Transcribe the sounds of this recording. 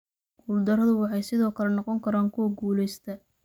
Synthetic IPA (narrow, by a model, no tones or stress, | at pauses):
ɡuːld̪ɐɾɐðʊwɑħɑjsɪðɔːkʰɐlɛnɔqɔŋkʰɐɾaːŋkʰʊwɔɡuːlɛjst̪ʰɐ